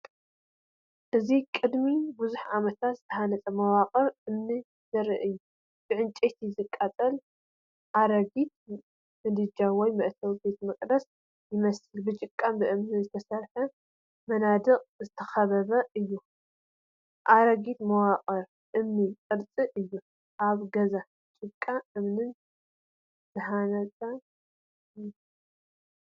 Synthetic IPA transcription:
ʔɨzikʼɨd̪mibuzuħʕamɐt̪ʰat̪zɨ̥t̪ʰɐhanɐt͡sʼɐmɐwaqʼɐɾʔɨmni | z̥ɐɾɨʔɨjːu | b̥ɨʕɨnt͡ʃʼet̪ʰizɨkʼːat͡sʼɐl | ʔaɾɐɡit̪̚ | mɨd̪ɨd͡ʒawɔjmɐʔt̪ʰɐwbe̞t̪mɨkʼd̪ɐs | jɪmɐsɨlbɨt͡ʃʼɨkʼːambɨʔɨmnizɨt̪ʰɐsɐɾħɐ | mɐnad̪ɨɣʼzɨt̪ʰɐxɐβɐβɐʔɨjːu | ʔaɾɐɡit̪mɐwaqʼɐɾ | ʔɨmnit͡sʼɨɾt͡sʼɨʔɨjːu | ʔaβɡɐza | t͡ʃʼɨkʼːaʔɨmnɨn | z̥ɨɦanɐt͡sʼɐ

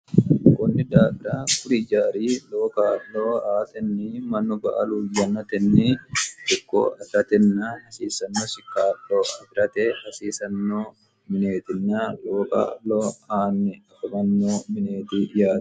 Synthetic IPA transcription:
kɔnːɪd̪aːfɪɾaːkʊɾɪd͡ʒaːɾiːlo̞ːkalloːaːt̪ɛnːɪmɐnːɔbɐ̰ʔɐlujɐnːɐt̪ɛnːɛɪkːo̰ːʔɐfɪɾɐt̪ɛnːahɐsiːsɐnːoːsɪkːaːlːoːʔɐfɪɾɐt̪ɛhɐsiːsɐnːoː | mɪne̞ːt̪ɪnːalo̞ːka̰ːlːoːaːnːɪɐfɐmɐnːoːmɪneːt̪ɪjaːd̪ɐ

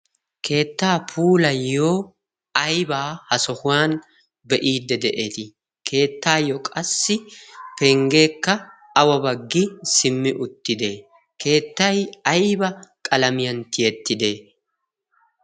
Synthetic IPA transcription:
kʰe̞ːt̪ːaːpʰuːlɐjːoː | ɐjbaːhɐsɔhʊwaːn | bɛʔiːd̪ːɛd̪ɛʔet̪ɪ | kʰe̞ːt̪ːaːjɔkʼɐsːɪpɛŋɡe̞ːkːɐ | ɐwɐbɐɡːɪsɪmːɪʔʊt̪ːɪd̪e̞ː | kʰe̞ːt̪ːɐjɐjbɐkʼɐlɐmɪjɐnt̪ɪjɛt̪ːɪd̪e̞ː

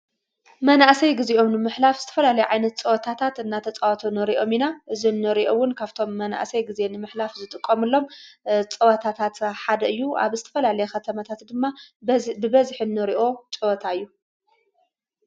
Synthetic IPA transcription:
mɐnaʔsɐjɡizeʔo̞mnɨmɨħlafzɨt̪ʰɐfɐlalɐjuʕajnɐt̪̚t͡sʼɨwɐt̪ʰat̪ʰat̪ɨnːat̪ʰɐt͡sʼawat̪ʰonɨɾiʔo̞minaʔɨzinːɨɾiʔowʊnkʰaβt̪ʰo̞mːɐna̰ʔsɐjɡize̞nɨmɨħlafzɨt̪ʼɨkʼːɐmɨlːo̞mt͡sʼɐwɐt̪ʰat̪ʰat̪ħad̪ɐɨjːua̰βzɨt̪ʰɐ̥fɐlalɐjexɐt̪ʰɐmat̪ʰat̪d̪ɨmːabɨbɐzħinːɨɾiʔo̞t͡ʃʼɨwɐt̪ʰaɨjːu

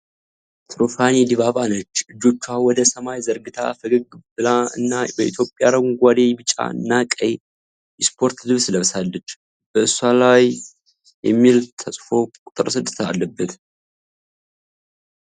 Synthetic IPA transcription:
t̪ʰɾofanid̪iβaβanət͡ʃːɨd͡ʒːo̞t͡ʃːawɔd̪əsəmajzəɾɡɨt̪ʰa̰fəɡɨɡbɨlaɨ̰nːabəʔḭt̪jo̞pʼjaɾəɡʷad̪e̞bɨt͡ʃʼːa̰ɨ̰nːakʼəj | ɛspʰo̞ɾt̪d̪ɨβsləβsalːət͡ʃː | b̥əɨsːalaj | jɛ̰mːilt̪ʰəsʼfo̞kʼʊt̪ʼɨɾsɨd̪ːɨt̪ʰa̰lːəbːət̪

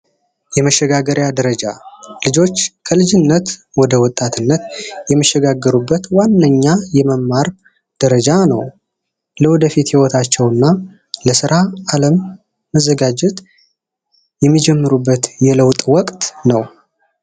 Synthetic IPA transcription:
jɛməʃːɛɡaɡəɾjad̪əɾəd͡ʒa̰lɨd͡ʒo̞t͡ʃːkʰəlɨd͡ʒɪnːət̪wɔd̪əwɔt̪ʼːat̪ʰɨnːət̪jɛmːəʃːɛɡaɡːəɾubːət̪wanːəɲːajɛməmːaɾ | d̪̥əɾəd͡ʒanəw | ləwɔd̪əfit̪hiwɔt̪ʰat͡ʃːɛwɨnːa | ləsɨɾʔaːləmː | əzːəɡad͡ʒɛt̪ | jɛmːid͡ʒɛmːɨɾubːət̪jɛləwt̪ʼwɔkʼt̪ʼnəw

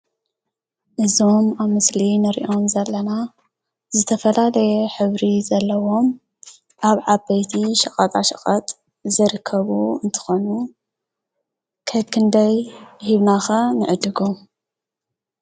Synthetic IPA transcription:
ʔɨzomaβmɨslinɨɾḭʔo̞mzɐlːɐna | zɨt̪ʰɐfɐlalɐjɛħɨβɾizɐlːɐwo̞m | ʔaβʕabɐjt̪ʰiʃɐkʼɐt̪ʼaʃɐkʼɐt̪ʼ | zɨɾɨkʰːɐβuɨnt̪ʰɨ̥xonu | kʰɐkʰɨnd̪ɐjhiβnaxɐnɨʕɨd̪ɨɡom

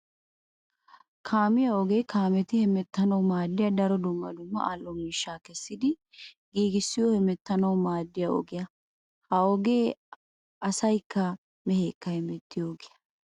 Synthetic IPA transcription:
kʰaːmɪjɐɔɡeːkaːmɛt̪ɪhɛmɛt̪ːɐnɐwmaːd̪ːɪjɐd̪ɐɾɔd̪ʊmːɐ̰d̪ʊmːɐ̰ʔaːlːɔmiːʃːaːkɛsːɪd̪ɪ | ɡiːɡɪsːɪjɔhɛmɛt̪ːɐnɐwmaːd̪ːɪjɐɔ̰ɡɪjɐ | hɐɔɡe̞ː | ʔɐsɐjkːɐ | mɛheːkːɐhɛmɛt̪ːɪjoːɡɪjɐ̥

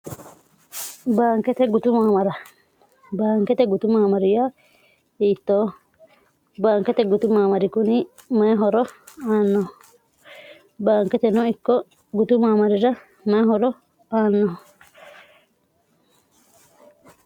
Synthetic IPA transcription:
baːŋkɛt̪ɛɡut̪umaːmɐɾɐ | baːŋkɛt̪ɛɡut̪umaːmɐɾija | iːt̪ːoː | baːŋkɛt̪ɛɡut̪umaːmɐɾikuni | mɛɦɔɾɔaːnːɔɦ | baːŋkɛt̪ɛnɔikːɔ | ɡut̪umaːmɐɾiɾɐ | mɛɦɔɾɔ | aːnːɔɦ

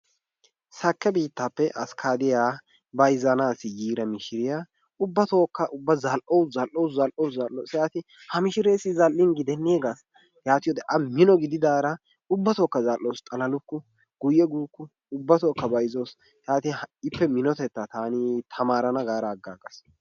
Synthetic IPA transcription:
sɐkːɛbiːt̪ːapːɛʔɐskʰaːd̪ɪjaː | bɐjzɐnaːsɪjiːɾɐmɪʃɪɾɪja | ʊbːɐt̪oːkːɐʔʊbːɐzɐlʔowzɐlʔowszɐlʔowszɐlʔːoːsjaːt̪ɪ | hɐmɪʃɪɾeːsɪzɐlʔːɪnɡɪd̪ɛnːɪeːɡas | jaːt̪ɪjɔd̪ɛʔɐmɪnɔɡɪd̪ɪd̪aːɾɐ | ʊbːɐt̪oːkːɐzɐlʔːoːst̪ʼɐlɐlʊkːʊ | ɡ̥ʊjɛɡuːkːʊ | ʊbːɐt̪oːkːɐbɐjzo̞ːs | jaːt̪ɪhɐɪpːɛmɪnɔt̪ɛt̪ːat̪aːnɪt̪ʰɐmaːɾɐnɐɡaːɾɐːɡːaːɡɐs

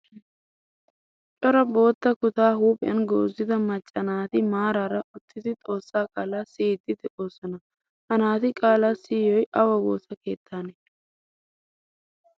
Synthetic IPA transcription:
t͡ʃʼɔɾɐbo̞ːt̪ːɐkʊt̪aːhuːpʼɐ̰nɡo̰ːzːɪd̪ɐmɐt͡ʃʼːɐnaːt̪ɪmaːɾaːɾɐʔʊt̪ːɪd̪ɪt̪ʼo̞ːsːaːkʼaːlaːsiːd̪ːɪd̪ɛʔo̞ːsɔnɐ | hɐnaːt̪ɪkʼaːlaːsiːjɔjʔɐwɐwo̞̰ːsɐke̞ːt̪ʰːaːnɛ

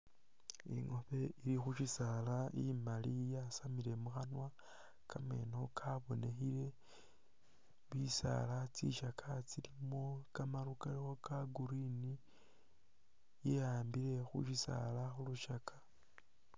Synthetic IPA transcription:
ḭŋo̞βe̞iɾixuʃisalaimalijasamile̞muxanwa | kame̞̰no̞kʰaβo̞ne̞xile̞ | βisa̰lat͡sḭʃakʰat͡silimo̞kamaɾukalixo̞kaɡuɾini | jeaːmbile̞xṵʃisa̰laxuluʃakʰḁ

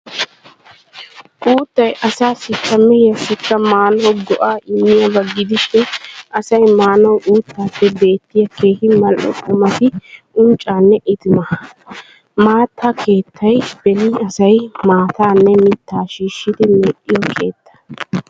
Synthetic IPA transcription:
ʔuːt̪ːɐjʔɐsaːsɪkːɐmːɛjɐsɪkːɐmaːnɔwɡɔʔaːʔɪmːɪjɐbɐɡɪd̪ɪʃɪnʔɐsɐjmaːnɔwʔuːt̪ːaːpːɛbe̞ːt̪ːɪjɐke̞ːhɪmɐlʔɔ̰kʼʊmɐt̪ɪʔʊnt͡ʃʼːaːnːɛʔɪt̪ɪmɐ | maːt̪ːakʰe̞ːt̪ʰːɐjb̥ɛlɪɐsɐjmaːt̪aːnːɛmɪt̪ːaːʃiːʃːɪd̪ɪmɛːʔːɪjɔkʰe̞̰ːt̪ːɐ̥

